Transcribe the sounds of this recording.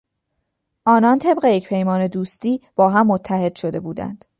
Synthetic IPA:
ʔɒːnɒnt̪ʰe̞bɢe̞jecpʰe̞jmɒːne̞d̪uːst̪iːb̥ɒːɦæmːot̪ʰːæhe̞d̪̥ʃo̞d̪e̞buːd̪æ̰nd̪̥

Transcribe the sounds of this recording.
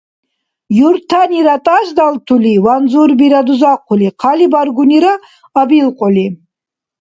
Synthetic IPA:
jurt̪ʰaniɾat̪ʼaʒd̪alt̪ʰuliwanzurbiɾad̪uzaqʷʰʊliqʰalibarɡʷuniɾaː | bilqʼɔli

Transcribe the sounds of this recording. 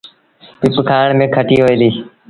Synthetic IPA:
pɪpkʰaːɳmẽːkʰəʈiːɦoːeːliː

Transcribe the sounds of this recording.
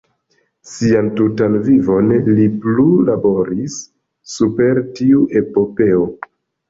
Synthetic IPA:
siantutanvivo̞nliplulabo̞ɾisː | upe̞ɾtiuʔe̞po̞pe̞o

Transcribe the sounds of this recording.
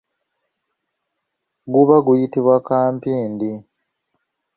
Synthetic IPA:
ɡuβaɡujitiβwakaːmpiːndi

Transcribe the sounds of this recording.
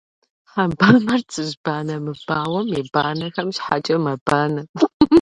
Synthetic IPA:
ħabaːmɐrt͡sʰʼɨʒbaːnɐmɨb̥aːwɐmebaːnɐxɐmɕħat͡ʃʼɐmɐbaːnɐ

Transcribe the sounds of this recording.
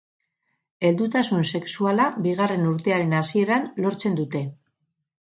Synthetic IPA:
e̞ld̪ut̪asunse̞ksualabiɣ̞are̞nuɾt̪e̞aɾe̞nasie̞ɾanlo̞ɾt͡se̞nd̪ut̪e̞

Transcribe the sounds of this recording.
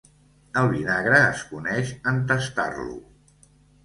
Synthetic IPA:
əlˠβinaɣɾəːskunɛʃənt̪əst̪a̰rlṵ

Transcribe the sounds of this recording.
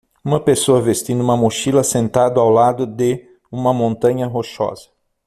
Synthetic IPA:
ũmɐpesoɐvest̪ĩd̪ʊũmɐmoʃilɐsẽnt̪ad̪ʊawlad̪ʊd̪ɪ | ũmɐmõnt̪ɐ̃ɲɐɦoʃɔ̰z̥ɐ

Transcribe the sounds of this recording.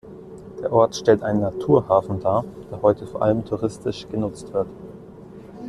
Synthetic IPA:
d̥eːɐʔɔɐtʃtɛltʔa̰ɪnənːatʰuːɐhaːfn̩daːd̥eːɐhɔʏtʰəfoːɐʔa̰ləmtʰuʁɪstʰɪʃɡ̥ənʊt͡stv̥ɪɐt

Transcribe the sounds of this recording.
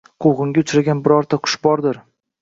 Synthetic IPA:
qʰowʁɨŋɡʲaʊt͡ʃʰɾaɡʲanbɪɾɒɾt̪ʰaqʰʊ̥ʃbɒɾd̪ɪɾ

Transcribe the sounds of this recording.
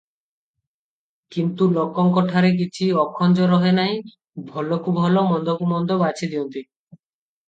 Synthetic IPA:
kint̪ulokːɔŋkɔʈʰaɾek̬it͡ɕʰiɔkʰːɔnd͡ʒɔɾɔɦenaj̃ | bʱɔlokubʱɔlomɔnd̪okumɔnd̪obat͡ʃʰid̪iɔnt̪i

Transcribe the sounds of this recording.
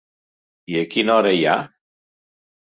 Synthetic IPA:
iekinoɾeja

